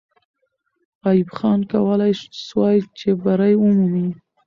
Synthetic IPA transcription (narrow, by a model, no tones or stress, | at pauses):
ɑjɪbxɑnkawəlajʃswɑjt͡ʃebaɾajwəmani